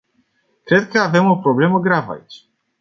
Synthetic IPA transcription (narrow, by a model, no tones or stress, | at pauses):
kɾɛt̪kaavɛmupɾɔblɛmuɡɾava̰jt͡ɕ